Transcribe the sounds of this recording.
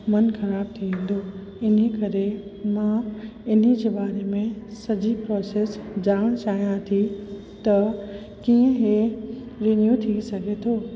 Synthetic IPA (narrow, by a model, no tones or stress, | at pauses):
mɐnxɐɾaːb̚t̪ʰiʋẽːn̆d̪o | ɪn̤ikɐɾemãɪn̤id͡ʑeːbaːɾemẽsɐd͡ʑipɾɔːseːsd͡ʑaːɽ̃t͡ɕaːɦijãt̪ʰi | t̪ɐ | kiːə̃ɦe | ɾɪnjut̪ʰisɐɡʱet̪ʰoː